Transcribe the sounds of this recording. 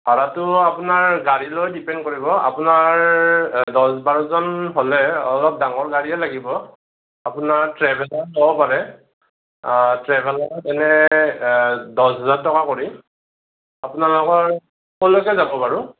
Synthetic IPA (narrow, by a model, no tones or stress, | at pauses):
baɹatʊapʊnaɹɡaɹilojdipɛnd̚koɹibɔa̰pʊnaɹ | dɔsbaɹɔzɔnɦɔlɛɔlɔp̚daŋɔɹɡaɹiɛlaɡibɔ | apʊnaɹtɹɛbʱɛlɔɹzɔbɔpaɹɛ | tɹɛbʱɛlɔɔtɛnɛ | dɔsɦɔzaɹtɔkakoɹi | apʊnalɔkɔɹ | kɔlojkɛzabɔpaɹu